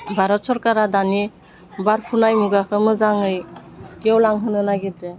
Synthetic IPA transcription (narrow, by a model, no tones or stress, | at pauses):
bʱaɾɔt̚sɔɾkaɾadani | baɾpʰunajmuɡakʰɯmɯzaŋɯjɡiɔwlaŋɦɯnɯnaɡitɯ